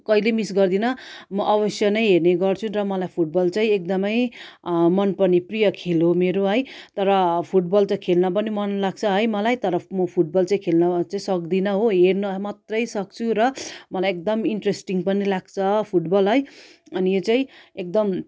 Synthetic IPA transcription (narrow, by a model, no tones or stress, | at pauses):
kʌilemisɡʌrd̪inʌmʌʔʌβʌsjʌnʌjɦerneɡʌrt͡sʰũrʌmʌlajpʰuʈ̚bʌlt͡saĩek̚d̪ʌmʌj | mʌnpʌniprijʌkʰelomeɾoɦʌjt̪ʌɾʌpʰuʈ̚bʌlt͡saĩkʰelnʌp̬ʌnimʌnlaɡ̚t͡sʰʌɦʌjmʌlajt̪ʌɾʌmʌpʰuʈ̚bʌlt͡saĩkʰelnʌt͡saĩsʌk̚d̪inʌɦoɦernʌmat̪rʌjsʌk̚t͡sʰuɾʌmʌlajek̚d̪ʌmiɳʈresʈiŋɡpʌnilaɡ̚t͡sʰʌpʰuʈbʌlɦʌj | ʌnijot͡saĩek̚d̪ʌm